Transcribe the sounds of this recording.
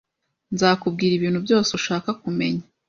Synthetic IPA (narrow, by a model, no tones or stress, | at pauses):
nzaːkub̚ɡiːɾiβiːnhubɟo̞ːseuʃaːkakume̞̰ɲḁ